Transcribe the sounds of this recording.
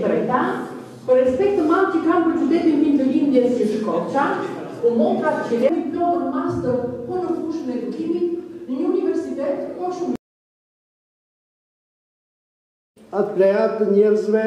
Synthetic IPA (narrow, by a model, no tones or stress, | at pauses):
t̪əɾɛt̪a | pəɾɛspɛk̚t̪əmaðt̪əkanpət̪ud̪ɛnind̪id̪əlimd̪jɛsɲəʃkɔt͡ɕa | umɔt̪ɾat̪əfilɛnipjɔənəmast̪əpɔnəkuʃənɛd̪ukimit̪nəɲəunivɛɾsit̪ɛt̪kɔʃum | at̪̚plɛat̪əɲɛɾzvɛ